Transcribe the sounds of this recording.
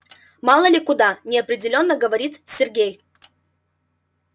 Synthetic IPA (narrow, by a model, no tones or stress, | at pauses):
mɑlˠəlʲɪkʊd̪anʲɪɐpɾʲɪdʲɪlʲo̞nːəɡəvɐɾʲit̪sʲɪrɡʲej